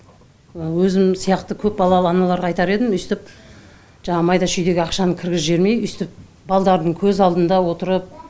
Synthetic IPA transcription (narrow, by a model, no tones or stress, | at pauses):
əwɵzɪmsijɑqt̪əkʲʰɵp̚bɑlˠɑlˠəɑnɑlˠɑɾʁɑjt̪ɑɾe̞d̪ɪmʏjst̪ɪp | ʒɑɴɑmɑjd̪ɑʃʏjd̪e̞ɡʲɪɑqʃɑnəkʲʰɪɾɡʲɪzʒe̞ɾme̞jʏst̪ɪp̚ | bɑlˠd̪ɑɾd̪əɴkʲʰɵzɑlˠd̪ənd̪ɑwo̞t̪əɾəp̚